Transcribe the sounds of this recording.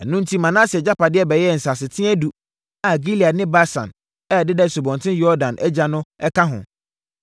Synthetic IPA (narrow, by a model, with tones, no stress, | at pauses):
ɛ˨nʊ̃˦n̩˦tʰi˦mã˨nã˦sɪ˨ɛ˨d͡ʑa˦pa˨dɪ˦ɛ˦bɛ˨jɛ˦˨n̩˨sa˨s̬ɪ˨tʰɪ̃˦ɛ˦du˨ | a˨ɡi˦li˨a˨nɪ̃˦ba˦sã̰˨n | ɛ˦˨dɪ˦dɛ˦˨su˨bɔ̃˨ntʰɪ̃˦jɔ˦ɾdã˨nʔɛ˦d͡ʑa˨nʊ̃˦ɛ˦kʰa˦ɦʊ̰̃˨